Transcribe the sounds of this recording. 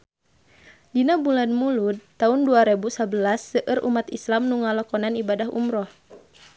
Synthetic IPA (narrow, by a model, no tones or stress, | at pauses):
dinabulanmulud̪t̪aunduaɾɛbusabəlasːəʔərʔṵmat̪islamnuŋalɔkɔnanibadaɦṵmɾɔh